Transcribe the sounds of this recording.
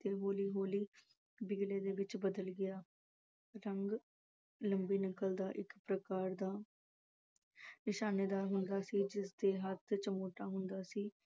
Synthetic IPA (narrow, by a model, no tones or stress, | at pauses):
t̪eːɦoːliːɦoːliː | biɡleːd̪eːʋɪt͡ʃbəd̪əlɡɪaː | ɾəŋɡ | ləmbiːnɪkːəld̪aːʔɪkpɾəkaːɾd̪aː | nɪʃaːneːd̪aːɾɦʊnd̪aːsiːd͡ʒɪsd̪eːɦət̪ʰt͡ʃəmoːʈaːɦʊnd̪aːsiː